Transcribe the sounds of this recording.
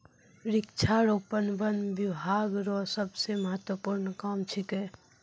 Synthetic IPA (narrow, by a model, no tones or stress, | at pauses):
ɾɪkt͡ʃʰaɾopənbənbibʱaːɡɾɔsəbseməɦət̪wəpuɾnkamt͡ʃʰike